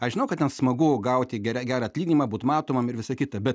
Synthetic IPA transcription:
ɐʃʒʲɪnɐʊkɐt̪ʲɛnsmɐɡʊɡɐʊt̪ʲɪɡʲɛɾʲɛɡʲæːɾɐɐtʲlʲiːɡʲnʲimɐːbuːt̪mɑːt̪oːmɐmɪɾʋʲɪsɐkʲɪt̪ɐbʲɛt̪

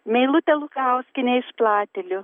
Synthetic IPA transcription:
mʲɛɪlˠʊt̪ʲɛlˠʊkɐʊsʲkʲɪnʲeɪʃplˠɑːt̪ʲɛlʲʊ

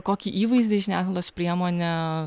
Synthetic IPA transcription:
koːkʲiːʔiːʋɐɪzd̪ʲɪʒʲɪnʲæːslˠoːspʲɾʲiɛmoːnʲɛ

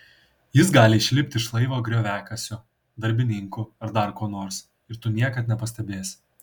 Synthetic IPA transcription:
jɪs̬ɡɑːlʲɪɪʃʲlʲɪpʲt̪ʲɪʃlˠɐɪʋoːɡɾʲoːʋʲæːkɐsʲʊ | d̪ɐɾʲbʲɪnʲɪŋkʊɐɾd̪ɐɾkoːnoːɾs | ɪɾt̪ʊnʲiɛkɐt̪nʲɛpɐsʲt̪ʲɛbʲeːs

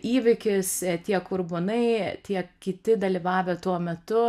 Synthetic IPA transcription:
iːʋʲɪkʲɪst̪ʲiɛkʊrbonɐɪt̪ʲiɛkʲɪt̪ʲɪd̪ɐlʲiːʋɑːʋʲeːt̪uɔmʲɛt̪ʊ

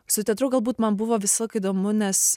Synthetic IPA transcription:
sʊt̪ʲɛt̪ɾʊɡɐlˠbuːt̪mɐnbʊʋoːʋʲɪsʲlˠɐɪkɐid̪oːmʊnʲɛs

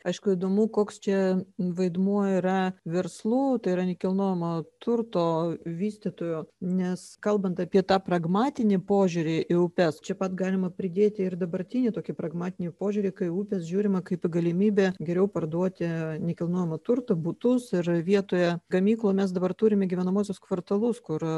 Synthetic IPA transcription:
ɐɪʃkʊid̪oːmukoːkst͡ʃʲɛʋɐɪd̪muɔiɾɐʋʲɛrslˠuːt̪ɐɪiɾɐnʲɛkʲɪlˠnuːjɛmot̪ʊrt̪oːʋʲiːsʲt̪ʲɪt̪oːjonʲɛskɐlˠbɐnt̪ɐpʲiɛt̪ɑːprɐɡmɑːt̪ʲɪnʲɪpoːʒʲʊɾʲɪʔɪʊpʲɛst͡ʃʲɛpɐt̪ɡɑːlʲɪmɐpʲɾʲɪd̪ʲeːt̪ʲɪɪrd̪ɐbɐɾʲt̪ʲinʲiːt̪oːkʲɪpɾɐɡmɑːt̪ʲɪnʲipoːʒʲʊɾʲɪkɐɪuːpʲɛsʒʲuːɾʲɪmɐkɐɪpɡɐlʲɪmʲiːbʲeːɡʲɛɾʲɛʊpɐrd̪uɔt̪ʲɪnʲɛkʲɪlˠnuɔjɛmɐt̪ʊrt̪ɐbʊt̪ʊsɪrʋʲiɛt̪oːjɛɡɐmʲiːklˠoːmʲɛsd̪ɐbɐrt̪uːɾʲɪmʲɛɡʲiʋʲɛnɐmuːs̬ʲʊskʋɐrt̪ɐlˠʊskʊɾ

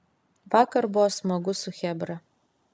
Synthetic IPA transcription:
ʋɑːkɐɾbʊʋosmɐɡʊsʊxʲɛbɾɐ

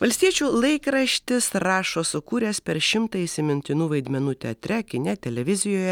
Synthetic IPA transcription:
ʋɐlʲst̪ʲiɛt͡ʃʲuːlˠɐɪkɾɐʃʲt̪ʲɪsɾɑːʃoːsʊkuːɾʲɛːspʲɛɾʃʲɪmt̪ɐɪsʲɪmʲɪnʲt̪ʲɪnuːʋɐɪd̪ʲmʲɛnuːt̪ʲɛɐt̪ʲɾʲɛkʲɪnʲɛt̪ʲɛlʲɛʋʲɪzʲɪjoːjɛ

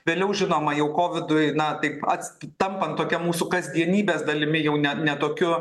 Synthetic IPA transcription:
ʋʲeːlʲɛʊʒʲɪnoːmɐjɛʊkoːʋʲɪd̪ʊjnɐt̪ɐɪpɐ̰t̪ʲsʲt̪ɐmpɐnt̪oːkʲɛmuːsʊkɐsd̪ʲiɛnʲiːbʲeːsd̪ɐlʲɪmʲɪjɛʊnʲɛnʲɛt̪oːkʲʊ

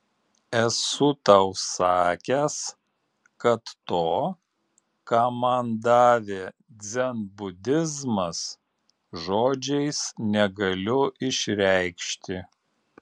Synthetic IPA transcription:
ɛsʊt̪ɐʊsɑːkʲɛs | kɐt̪ːoː | kɑːmɐnd̪ɑːʋʲeːd̪zʲɛnbʊd̪ʲɪzmɐs | ʒoːd͡ʒʲɛɪsnʲɛɡɐlʲʊʔɪʃʲɾʲæɪkʃʲt̪ʲɪ

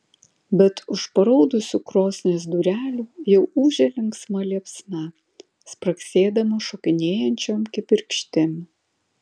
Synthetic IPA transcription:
bʲɛt̪ʊʃpɐɾoːd̪ʊsʲuːkɾoːsʲnʲeːs̬d̪uːɾʲæːlʲuːjɛʊuːʒʲɛlʲɪŋksmɐlʲiɛpʲsʲnɐ | spɾɐksʲeːd̪ɐmɐʃoːkʲɪnʲeːjɛnʲt͡ʃʲoːmkʲɪpʲɪɾʲkʃʲt̪ʲɪmʲ

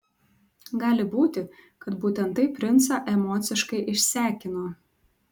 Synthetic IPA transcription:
ɡɑːlʲɪbuːt̪ʲɪ | kɐt̪buːt̪ʲɛnt̪ɐɪpʲɾʲɪnˑt̪sɑʔɛmɔːt̪sʲɪʃkɐɪʔɪʃʲsʲæːkʲɪnoː

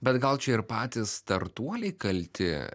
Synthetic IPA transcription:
bʲɛt̪ɡɐlˠt͡ʃʲɛɪɾpɑːt̪ʲɪst̪ɐɾt̪uɔlʲɛɪkɐlʲt̪ʲɪ̰

